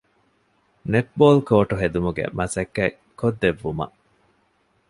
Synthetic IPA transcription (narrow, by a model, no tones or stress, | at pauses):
neʈ̚boːlkoːʈuɦed̪umuɡḛmʔɐsɐkːæ | kod̪ːeʋːumɐ̰ʔ